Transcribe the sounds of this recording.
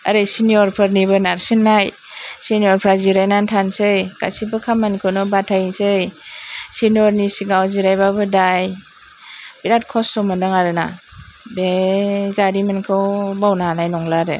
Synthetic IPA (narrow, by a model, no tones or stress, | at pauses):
aɾesiniɔɾpʰɯɾnibɯnaɾsinːaj | siniɔɾpʰɾaziɾajnantʰansɯjka̰sibɯkʰamːankʰɯwnɔbatʰajnsɯjsinɔɾnisiɡawziɾajbabɯdaj | biɾat̚kʰɔstʰɔmɯndɯŋaɾɯna̰bezaɾimankʰɯwbawnanajnɔŋlaɾḛ